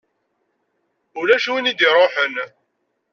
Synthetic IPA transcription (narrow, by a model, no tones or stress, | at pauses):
ulæʃuwinid̪iɾˤoħən